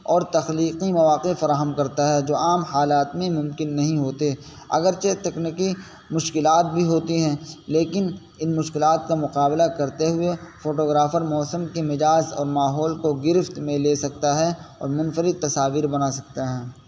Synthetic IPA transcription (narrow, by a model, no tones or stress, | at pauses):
ɔːɾt̪ɐxliːqimɐʋaːqefɐɾaːɦəmkɐɾt̪aɦɛd͡ʒoːaːmhaːlaːt̪mẽmʊ̃mkɪnːɐɦĩɦoːt̪e | ɐ̰ɡəɾt͡ʃet̪ɛkniki | mʊʃkɪlaːt̪̚bʱiɦoːt̪iɦɛ̃leːkɪn | ɪnmʊʃkɪlaːt̪̚kamʊqaːblakɐɾt̪eɦʊefoːʈoːɡɾaːfəɾmɔːsəmkemɪd͡ʒaːsɔ̰ːɾmaːɦɔːlkoɡɪɾɪft̪mẽleːsɐkt̪aɦɛɔ̰ːɾmɐ̃nfəɾɪd̪̚t̪ɐsaːʋiːɾbɐnaːsɐk̚t̪aɦɛː